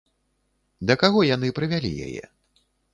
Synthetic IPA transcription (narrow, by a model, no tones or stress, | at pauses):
d̪ɐkaɣɔjanɨpɾɨvʲalʲḭja̰jɛ̰